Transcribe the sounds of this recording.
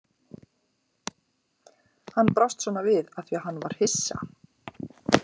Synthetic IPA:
hanːpɾawst̪svɔːnavɪðaθiaɦanːvaɾ̥hɪsːa̰

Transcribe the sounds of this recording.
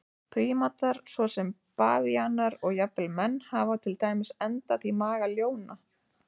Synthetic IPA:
pʰɾiːmat̪aɾ̥svɔsɛm | paːvianaɾɔɣjapɛlmɛnːhavawt̪ʰɪlt̪aːjmɪsɛnt̪aðimaːɣaljoːwna

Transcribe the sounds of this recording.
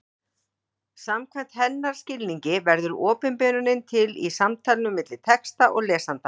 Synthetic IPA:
samkʰvajn̥t̪hɛnːaɾ̥scɪlniɲcɪvɛɾðʏɾɔːpɪnpɛːnʏnɪnt̪ʰɪlḭsamt̪ʰaːlnʏmɪt̪lɪ̥t̪ʰɛkst̪aʔɔɣlɛːsant̪a

